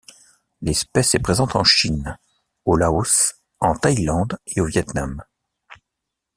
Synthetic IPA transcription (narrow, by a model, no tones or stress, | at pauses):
lɛspɛsɛpχezɑ̃t̪ɑ̃ʃin | olaus | ɑ̃t̪ajlɑ̃d̪eovjɛt̪nam